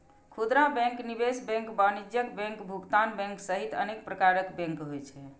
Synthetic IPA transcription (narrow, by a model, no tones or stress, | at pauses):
kʰud̪ɾãbɛ̃ŋknibesbɛ̃ŋkbanid͡ʒjəkbɛ̃ŋkbʱuɡt̪anbɛ̃ŋksəɦit̪ə̰nek̚pɾəkaɾəkbɛ̃ŋkɦojt͡ʃʰɛ